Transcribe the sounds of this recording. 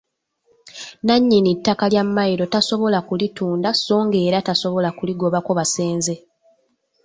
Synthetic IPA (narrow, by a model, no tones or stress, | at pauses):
naɲːinitːakaljamːajiɾo̞taso̞βo̞lakulituːndaso̞ːŋɡe̞ːɾataso̞βo̞lakuliɡo̞βako̞βase̞ːnze̞